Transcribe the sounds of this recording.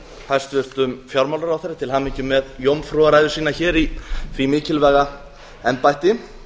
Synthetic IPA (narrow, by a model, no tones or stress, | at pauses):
hast̪vʏr̥t̪ʏmfjawɾmawlaɾawθɛjɾːat̪ʰɪlhamiɲcʏmɛðjowmfɾɔaɾajðʏsiːnaçɛːɾiθvimɪːcɪlvɛːɣa | ɛnpajht̪ɪ